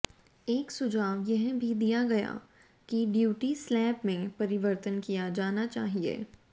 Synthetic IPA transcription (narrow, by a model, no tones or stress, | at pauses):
eːksʊd͡ʒaːʋjɐɦbʱid̪ijaɡɐja̰ | kiɖjuːʈislɛːpmẽpɐɾɪʋəɾt̪ənkijad͡ʒaːnat͡ʃa̰ːɦiḛː